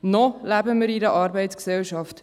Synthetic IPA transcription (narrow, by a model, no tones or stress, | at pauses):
nɔlæbəməɾiɾəʔɑːɾbɛɪtsksɛlʃɑft